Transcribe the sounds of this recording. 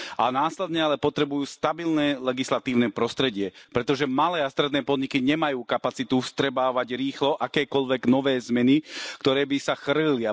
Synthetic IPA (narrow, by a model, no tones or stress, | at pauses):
ʔa̰naːslɛd̪ɲɛalɛpɔt̪ɾɛbujuːst̪abilnɛːlɛɡislat̪iːʊnɛːpɾɔst̪ɾɛɟɪɛpɾɛt̪ɔʒɛmalɛːast̪ɾɛd̪nɛːpɔd̪ɲikiɲɛmajuːkapat͡sit̪ufst̪ɾɛbaːʋaɟɾiːxlɔʔakɛːkɔʎʋɛɡnɔʋɛːzmɛnikt̪ɔɾɛːbisaxr̩ilia